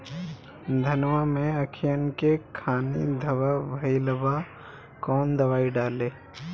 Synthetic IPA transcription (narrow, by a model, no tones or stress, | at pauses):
d̪ʱənʋamẽəkʰɪjənkekʰaːnḭd̪ʱəbabʱəiləba | kɔːnd̪əwaːiɖaːleː